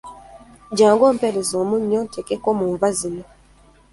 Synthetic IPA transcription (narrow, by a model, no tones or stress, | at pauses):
ɟaːŋɡoːm̩peɾezoːmuɲːotʰekekomuːɱvazino